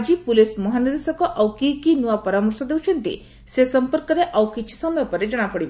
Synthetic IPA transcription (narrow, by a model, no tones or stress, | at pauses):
d͡ʑipulesməɦanəd̪esəkɔʔawkikinuʋapəɾaməɾsɔd̪ewt͡ɕʰent̪ḭ | sesəmpəɾkəɾeʔawkit͡ɕi̥səmjapəɾed͡ʑəɽ̃apəɽi